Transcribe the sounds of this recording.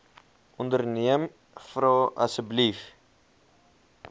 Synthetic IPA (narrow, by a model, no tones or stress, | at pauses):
ɔndərniəm | frɔːʔɐ̰səblif